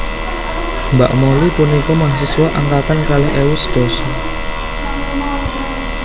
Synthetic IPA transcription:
mba̰ʔmolipunikɔmahsiswaʔaŋkat̪ankalɛɦʔewusd̪̥ɔsɔ

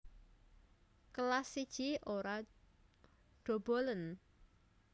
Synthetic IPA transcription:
kəlasid̥ʒ̥iʔoɾa | ɖ̥o̤b̥olən

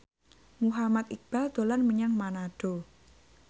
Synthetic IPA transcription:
muɦamat̪ik̚b̥ald̪̥o̤lanməɲaŋmanaɖ̥o̤

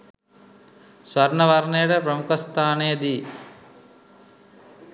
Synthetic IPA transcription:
sʋɐɾnəʋɐɾnejəʈəpɾəmukəst̪ʰaːnejəd̪iː

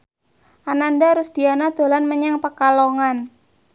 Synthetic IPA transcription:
ʔanandaɾʊsd̪̥ianad̪̥o̤lanməɲaŋpəkaloŋan

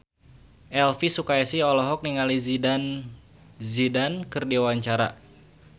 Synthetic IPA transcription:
ʔɛlfisukaɛsihɔlɔɦɔk̚niŋalizidan | zidankɨrdiawaɲt͡ʃaɾa̰

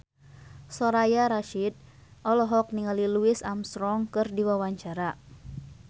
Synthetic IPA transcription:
sɔɾajaɾaʃid̚ | ʔɔlɔɦɔk̚niŋaliluisamsɾɔŋkɨrdiwawaɲt͡ʃaɾa

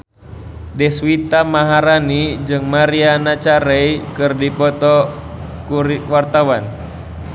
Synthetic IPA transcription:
dɛswit̪amaɦaɾanid͡ʒɨŋmaɾianat͡ʃaɾɛikɨrdipɔt̪ɔkuɾiwart̪awan

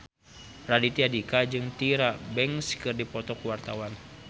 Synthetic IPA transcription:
radit̪iadikad͡ʒɨŋt̪iɾabɛŋskɨrdipɔt̪ɔkuwart̪awan

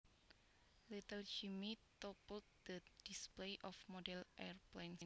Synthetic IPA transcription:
lit̪əld͡ʒimit̪ɔpəlt̪̚d̪̥əd̥isplejʔɔfmɔdɛlʔɛrplen

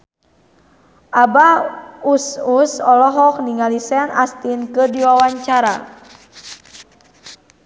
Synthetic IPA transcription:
ʔabaususɔlɔɦɔk̚niŋalisɛnast̪inkədiwawaɲt͡ʃaɾa̰

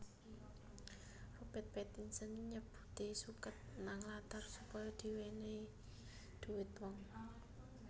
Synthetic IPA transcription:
rob̥ɛt̪̚pɛt̪insənɲəb̥u̥̤t̪esukət̪̚naŋlat̪arsupɔjɔd̪̥i̤wene | d̪̥ṳwɪt̪wɔŋ

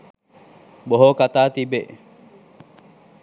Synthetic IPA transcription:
boɦoːkat̪aːt̪ibḛ

